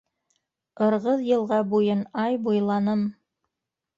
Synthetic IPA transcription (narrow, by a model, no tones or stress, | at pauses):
ɤ̆ɾʁɤðjɤ̆lˠʁɑbujɤnɑjbujlˠɑnɤm